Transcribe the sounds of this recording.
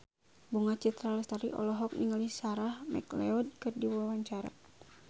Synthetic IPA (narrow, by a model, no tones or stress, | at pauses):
buŋat͡ʃit̪ɾalɛst̪aɾḭʔɔ̰lɔɦɔk̚niŋalisaɾahmɛ̰klɛɔd̚kɨrdiwwawaɲt͡ʃaɾa̰